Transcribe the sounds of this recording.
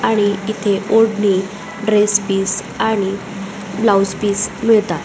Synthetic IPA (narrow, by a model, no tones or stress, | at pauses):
aɽ̃iit̪ʰeʔoɽni | ɖɾespiːs | aɽ̃i | blawspiːsmiɭt̪a